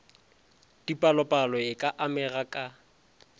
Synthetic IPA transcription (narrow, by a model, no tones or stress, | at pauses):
d̥ipʼalɔpʼalɔɪkʼaʔamɛrakʼa